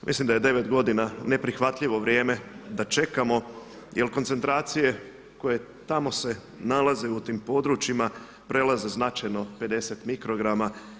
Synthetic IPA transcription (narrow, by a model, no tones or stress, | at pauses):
mʔislimd̪aje̞d̪e̞ʋe̞t̪ɡo̞d̪inane̞pɾixʋat̪ʎiʋo̞ʋɾje̞ːme̞d̪at͡ʃe̞kamo̞ | jʔelko̞nt̪se̞nt̪ɾaːt̪sije̞ | ko̞je̞ | t̪amo̞se̞ | nalaze̞ut̪iːmpo̞d̪ɾut͡ʃima | pɾe̞laze̞znat͡ʃajno̞pe̞d̪e̞se̞t̪mikɾo̞ɡɾama